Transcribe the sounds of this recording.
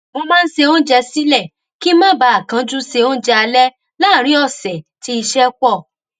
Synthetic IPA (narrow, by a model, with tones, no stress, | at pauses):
mo˧mã˦n̩˦ʃe˧o˦n̩˦d͡ʒɛ˧si˦lɛ˦˨ | ki˦mã˦ba˧˦a˦˨kã˨˦d͡ʒu˦se˧o˦d͡ʒɛ˧a˧lɛ˦ | la˦˨ɾ̃ĩ˨˦ɔ˦˨sɛ˨ti˧˦i˧ʃɛ˦k͡pɔ˦˨